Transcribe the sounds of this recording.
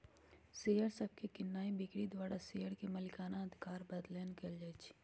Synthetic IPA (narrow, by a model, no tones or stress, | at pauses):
seːjəɾsəb̚kekɪnːaːibɪkɽid̪waːɾasejəɾkemɐlɪkaːnaɐd̪ʱɪkaːɾbɐd̪leːnkəld͡ʒɛːt͡ʃʰi̥